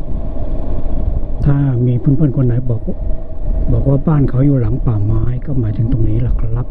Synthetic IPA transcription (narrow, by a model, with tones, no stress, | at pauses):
t̪ʰaː˧˩miː˧˥pʰu˧˥˨pʰɔ˧˥˨nkʰo˧˥˨nːa˨˦jɔ˨˩k | bɔː˨˩k̚waː˧baː˥˩˨nkʰa˨˦wjuː˨˩la˨˩˦ŋpaː˨˩maː˨˦jkɔː˧˥˩maː˨˦jt̪ʰɯ˨˩˦ŋt̪o˨˩ŋniː˦˥la˧˩k̚la˧˥p̚